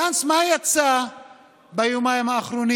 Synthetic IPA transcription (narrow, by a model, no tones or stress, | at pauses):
ansmajat͡sa | bajumajmaːχɾuni